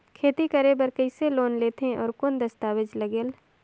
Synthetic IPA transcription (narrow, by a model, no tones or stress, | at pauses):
kʰeːt̪ikəɾebɐɾkəɪseloːnleːt̪ẽʔɔ̰ːɾkʊnd̪ɐst̪aːʋɪd͡ʒlɐɡeːl